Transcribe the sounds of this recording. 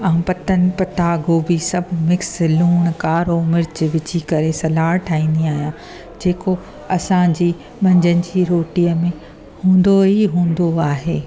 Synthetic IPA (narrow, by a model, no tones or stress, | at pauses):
ɐ̃ɦpɐt̪ənɪ̆pɐt̪aːɡoːbisɐbʱmɪkslũːɽ̃kaːɾomɪɾt͡ɕʋɪt͡ɕikɐɾesɐlaːɾʈʰaːĩːn̆d̪iaːɦijã | d͡ʑeːko | ɐsãd͡ʑiː | mɐ̃ɲd͡ʑənɪ̆d͡ʑiːɾoːʈijəmẽ | hũːn̆d̪oɦiɦũːn̆d̪oaːɦeː